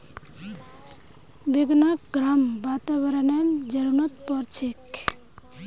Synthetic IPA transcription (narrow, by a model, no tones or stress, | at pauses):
beɡnak̚ɡɾambat̪aβəɾənemd͡ʒəɾunʌt̪pɔɾt͡ʃʰek